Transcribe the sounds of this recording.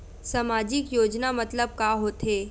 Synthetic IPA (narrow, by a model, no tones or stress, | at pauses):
sɐmaːd͡ʒɪkjoːd͡ʒnamɐt̪ləb̚kaɦoːt̪ɦeː